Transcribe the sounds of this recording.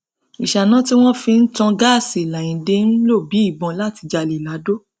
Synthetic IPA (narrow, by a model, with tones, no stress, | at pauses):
i˨ʃa˨nã˦ti˦w̃ɔ̃˦fi˧n̩˦tɔ̃˧ɡa˦˨si˨la˨j̃ĩ˨de˧˦n̩˦lo˦˨bi˨˦i˦˨bɔ̃˧la˦˨ti˧d͡ʒa˧˨le˨la˨˦do˦